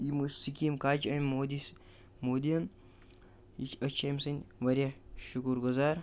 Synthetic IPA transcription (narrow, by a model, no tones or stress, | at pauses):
imɨsikʲimkaːt͡ʃɐnʲmoːd̪is | moːd̪iɐn | it͡ʃʲɐt͡ʃʰɐjmsɐnʲʋɐɾʲjaʃukuɾɡʊzaːɾ